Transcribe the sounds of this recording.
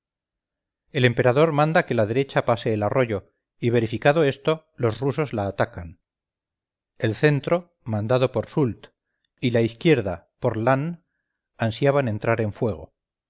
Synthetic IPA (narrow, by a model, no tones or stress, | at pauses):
e̞le̞mpe̞ɾaðo̞ɾmãnd̪ake̞lað̞e̞ɾe̞t͡ʃapase̞ːlaro̞ʝo̞ | iβ̞e̞ɾifikaðo̞e̞st̪o̞ | lo̞sruso̞zlaːt̪akan | e̞lθe̞nt̪ɾo̞ | mãnd̪aðo̞po̞ɾsult̪ | ilaiθkje̞ɾða | po̞ɾlan | ansjaβane̞nt̪ɾaɾe̞ɱfwe̞ɣ̞o̞̰